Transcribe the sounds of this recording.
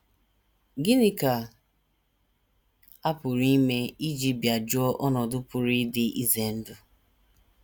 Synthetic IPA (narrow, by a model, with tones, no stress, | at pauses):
ɡi˦nɪ˦ka˨ | a˦pʊ˨ɾi˦me˦i˦d͡ʒi˦bja˨d͡ʒʊ˦ɔ˦ʔɔ˦nɔ˨dʊ˦pʊ˨ɾi˦dɪ˦ʔi˦ze˨n̩˦dʊ˦